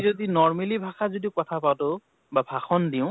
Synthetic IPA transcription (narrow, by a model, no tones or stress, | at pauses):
odinɔɹmelibʱaxazodiʊkɔtʰapawto | babʱaxɔndiʊ̃